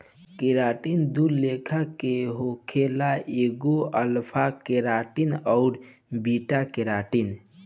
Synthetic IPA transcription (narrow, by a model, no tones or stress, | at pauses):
kiɾaːʈind̪ullekʰakeɦokʰelaʔeːɡoəlpʰakeɾaːʈinɔʊɾbiʈakeɾaʈin